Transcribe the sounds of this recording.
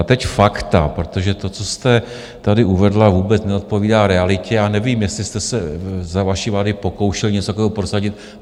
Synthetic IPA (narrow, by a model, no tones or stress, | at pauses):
t̪ɛcfakt̪apɾo̞t̪o̞ʒɛt̪o̞t͡so̞st̪ɛ | t̪adɪʔuvɛdlavuːbɛt͡snɛo̞t̪̚po̞viːdaːɾɛalɪcɛjaːnɛviːmjɛstlɪst̪ɛsɛzavaʃivlaːdɪpo̞ko̞wʃɛlɲɛt͡sot̪akoɛːɦopɾo̞saɟɪt̪̚